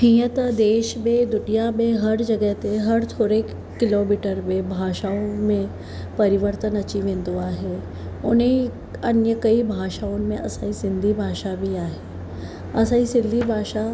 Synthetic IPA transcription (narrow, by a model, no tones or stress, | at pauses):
ɦĩːət̪d̪eːʃmẽd̪ʊʈijamẽɦɐɾd͡ʒɐɡəɦt̪eɦɐɾt̪ʰoːɾeː | ɪloːmiːʈəɾmẽbʱaːʃaːõmẽ | pɐɾɪʋəɾt̪ənɐt͡ɕiʋẽnd̪uaːɦeː | ʊnẽ | ɐnjəkɐibʱaːʃaːõmẽʔɐ̰saːisɪ̃nd̪ʱibʱaːʃabʱiaːɦeː | ɐsaːisɪ̃nd̪ʱibʱaːʃa